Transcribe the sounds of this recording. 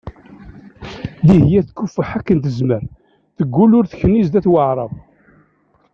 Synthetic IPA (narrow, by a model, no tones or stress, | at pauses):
ðihjæθkːufəħækːənt̪əzməɾ | θəɡʷːulʊɾθçənːizd̪æθwəʕɾˤɑv